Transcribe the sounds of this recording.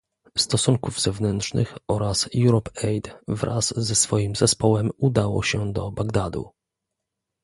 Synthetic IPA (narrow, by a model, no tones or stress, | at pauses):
st̪ɔsuŋkuvz̥ɛvnɛnt̪ʂnɘ̰xɔɾasjuɾɔpɛjd̪vɾʔa̰zːɛsfɔjimzɛspɔwɛmud̪awɔ̰ɕɛd̪ɔbaɡd̪ad̪ṵ